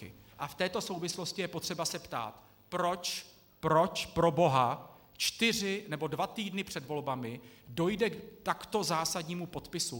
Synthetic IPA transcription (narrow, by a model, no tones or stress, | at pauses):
ɪ̰ʔaft̪ɛːt̪o̞so̞wvɪslo̞scɪjɛpo̞t̪r̥ɛbasɛpt̪a̰ːt̪ | pɾo̞t͡ʃ | pɾo̞t͡ʃpɾo̞bo̞ɦa | t͡ʃt̪ɪrɪnɛbo̞dvat̪iːdnɪpr̝̥ɛdvo̞lbamɪdo̞jdɛkt̪akt̪o̞zaːsadɲiːmupo̞t̪pɪsu